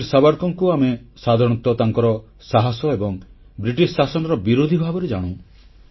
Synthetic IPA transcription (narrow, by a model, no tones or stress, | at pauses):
ɾsabaɾkɔŋkuamesad̪ʱaɾɔɽ̃ɔt̪ɔt̪aŋkɔɾɔ | saɦasɔebɔŋ | bɾiʈissasɔnɔɾɔbiɾod̪ʱibʱabɔɾed͡ʒaɽ̃ṵ̃